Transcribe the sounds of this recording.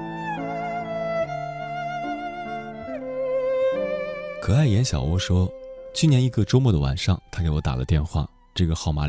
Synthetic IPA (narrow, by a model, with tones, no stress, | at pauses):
kʰɤ˨˩a˥˩ɪjɛ˧˥nɕjɑ̰˨˩ʊwɔ˥ʂwɔ˥t͡ɕʰy˥˩njɛ˧˥ni˧˥ɡə˥˧ʈ͡ʂo˥ʊmwɔ˥˩d̪ə˩wa̰˨˩nʂɑ˥˩ŋt̪ʰa˥kɪwɔ˧˥t̪a̰˨˩lə̰˦t̪jɛ˥˧nxwa̰˥˩ | ʈ͡ʂɤ˥˩ɡə˩xɑ˥˩ʊma˧˥